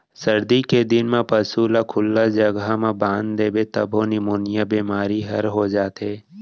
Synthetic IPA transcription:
sɐɾd̪iked̪ɪnmẽpɐsuːlakʰʊlːad͡ʒɐɡɦamãbãːnd̪d̪eːbet̪ɐbʱõnɪmoːnɪjabiːmaːɾiɦɐ̰ɾɦod͡ʒaːt̪ɦeː

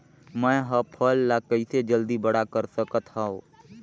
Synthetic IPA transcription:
mə̃ɦəpʰəlːaːkəised͡ʒəld̪iːbəɽakəɾsəkət̪haːõː

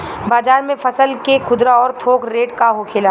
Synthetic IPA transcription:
baːd͡ʒaːɾmẽfʰɐsəlkekʰʊd̪ɾaɔːɾt̪ʰoːkɾeːʈkaɦokʰɪla

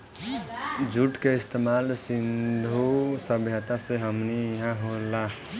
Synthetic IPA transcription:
d͡ʒuʈkeɪst̪emaːlsɪnd̪ʱosəbʱjət̪aseɦəmniɦãɦola

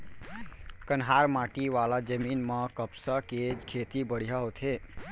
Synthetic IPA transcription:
kənɦaɾmaʈiʋalad͡ʒəminmə̃kəpsakekʰet̪ibəɽ̤ijaɦot̪ʰɦe

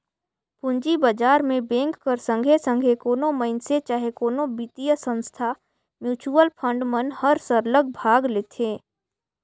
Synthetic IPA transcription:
pʊ̃ɲd͡ʒibəd͡ʒaːɾmẽbẽːŋkːəɾsə̃ŋɡʱesə̃ŋɡʱekoːnõməɪnset͡ʃaːɦekoːnõbit̪ijəsə̃nst̪ʰa | mjuːt͡ʃuəlpʰə̃ɳɖmənhəɾsəɾləɡ̚bʱaːɡleːt̪ʰẽː

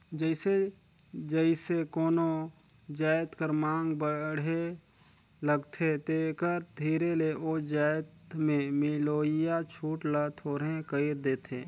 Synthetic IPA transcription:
d͡ʒəɪse | d͡ʒəɪsekoːno | d͡ʒaːjt̪kəɾmãːŋɡbəɽ̤e | ləɡt̪ʰet̪ekəɾd̪ʱiːɾeleʔod͡ʒaːjt̪mẽmɪloːɪjat͡ʃʰuːʈlət̪ʰoːɾẽkəiɾd̪eːt̪ʰẽː

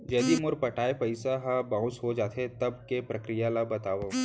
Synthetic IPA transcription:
d͡ʒɛːd̪imʊɾpɐʈaːepɐɪsaɦabãːʊ̃sɦod͡ʒaːt̪ʰet̪ɐb̚kepɾɐkɾijalabɐt̪aːʋoː

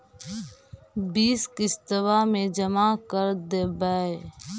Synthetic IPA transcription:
biːskɪst̪əʋamẽd͡ʒəmakəɾd̪ebaːe

